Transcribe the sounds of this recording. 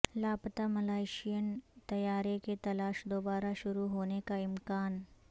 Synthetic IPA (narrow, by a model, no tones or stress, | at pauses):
laːpt̪amɐlaːɪʃijənt̪ɐjaːɾeket̪ɐlaːʃd̪oːbaːɾaʃʊɾuɦoːnekaɪmkaːn